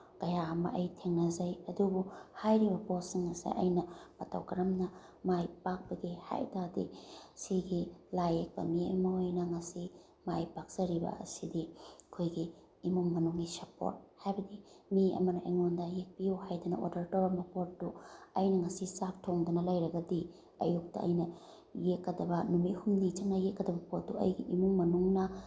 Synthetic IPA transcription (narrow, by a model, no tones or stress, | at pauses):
kɐjaɐmɐ̰ʔɐjtʰeŋnɐzajɐdubuhajɾibɐbosiŋɐsḭʔɐ̰jnɐmɐtʰa̰wkɐɾɐmnɐ | majpak̚pɐɡiha̰jtadḭsiɡilajek̚pɐ̰miɐ̰mɐojnɐŋɐsi | majpak̚z̥ɐɾibɐ̰ɐ̰sidikʰojɡiː | muŋːɐnuŋɡisɐpo̰ɾt̚hajbɐdimiɐ̰mɐnɐeŋondɐjek̚pijuhajdɐnɐ̰o̰dɐɾtoɾɐmɐpotːuɐjnɐŋɐsisak̚tʰoŋdunɐlɐjɾɐɡɐdi | ɐ̰juk̚tɐ̰ʔɐ̰jnɐ | jekːɐdɐbɐnumithumnit͡ʃɐŋnɐjekːɐdɐbɐpot̚duɐ̰jɡḭʔimuŋmɐnuŋnɐ